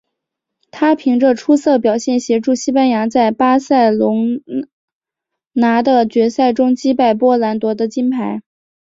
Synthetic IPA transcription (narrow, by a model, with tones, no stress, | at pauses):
t̪ʰa˥pʰi˧˥ŋʈ͡ʂə˧ʈ͡ʂʰu˥sɤ˥˩pjɑ˨˩ʊɕjɛ˥˩nɕjɛ˧˥ʈ͡ʂu˥˩ɕi˥pa˥nja˧˥t͡sa˥˩ɪpa˥sa˥˩ɪlʊ˧˥ŋ | na˧˥d̪ə˧t͡ɕɥɛ˧˥sa˥˩ɪʈ͡ʂʊ˥ŋt͡ɕi˥pa˥˩ɪpwɔ˥la˧˥nt̪wɔ˧˥d̪ə˧t͡ɕi˥npʰa˧˥ɪ